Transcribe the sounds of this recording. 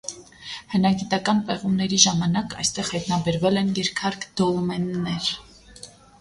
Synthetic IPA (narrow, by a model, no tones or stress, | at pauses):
hənɑɡit̪ɑkɑnpɛʁumnɛɾiʒɑmɑnɑkɑ̰jst̪ɛʁhɑjt̪nɑbɛɾvɛlɛnjɛɾkʰɑɾkʰd̪̥ɔlmɛnnɛɾ